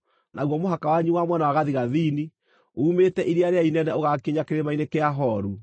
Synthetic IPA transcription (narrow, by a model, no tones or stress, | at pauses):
nʔaɣwɔmoɦakawaɲuwamwɛnawaɣaðiɣaðiːni | uːmetɛʔiɾiaɾeainɛnɛoɣakiɲakeɾemainekeaɦɔɾu